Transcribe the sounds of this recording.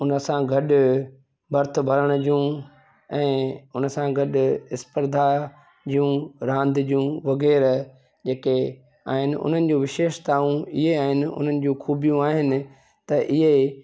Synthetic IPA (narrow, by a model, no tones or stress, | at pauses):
ʊnə̆sãɡʱɐɗʊ̆ | bʱɐɾt̪ʰʊbʱɐɾəɽ̃d͡ʑijũ | ɛ̃ːʊnə̆sãɡʱɐɗʊɪspəɾd̪ʱa | d͡ʑijũɾãːnd̪d͡ʑiũʋɐɣɛːɾ | d͡ʑeːke | a̰ːɦɪnɪ̆ʊ̰n̤ənɪ̆d͡ʑũʋɪʃeːʃt̪aːũɪɦeaːɦɪnɪ̆ʊ̰n̤ənɪ̆d͡ʑũːxʰuːbijũaːɦɪnɪ̆ | t̪ɐʔɪɦe